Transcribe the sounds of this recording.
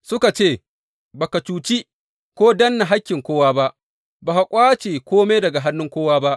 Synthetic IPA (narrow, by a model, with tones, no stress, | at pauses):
sʊ˦ka˨t͡ʃeː˦˨ | ba˨kɐ˨t͡ʃuː˨t͡ʃi˦ | kʷoː˦dɐ˦nːa˨ɦa˦kʲːɪ˨ŋkʷoː˦waː˦ba˦ʔ | baː˨ha˨kʷʼaː˦t͡ʃeː˨kʷoː˦me˦dɐ˨ɡa˨ɦa˦nːʊ˦ŋkʷoː˦waː˦ba˦ʔ